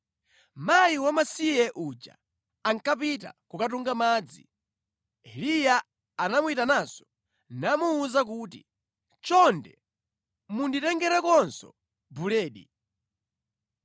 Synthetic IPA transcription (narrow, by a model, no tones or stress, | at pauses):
majiwamasijɛʔud͡ʒa̰ | aŋkapita̰kukat̬uŋɡamaːd͡zḭ | ɛlijaː | namuitanazɔ | namuːzak̬uːtḭ | t͡ʃɔndɛ | munditɛŋɡɛɾɛkɔnsɔ̰ | bulɛːɗḭ